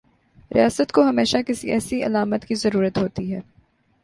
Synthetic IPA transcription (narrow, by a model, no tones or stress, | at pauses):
ɾḭjaːsət̪koɦɐmeːʃakɪsiɛːsiɐ̰laːmət̪kizɐɾuːɾət̪ɦoːt̪iɦɛː